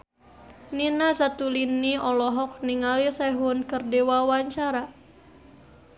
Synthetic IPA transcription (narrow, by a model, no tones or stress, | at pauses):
ninasat̪uliniɔlɔɦɔk̚niŋalisaɦunkərdewawaɲt͡ʃaɾa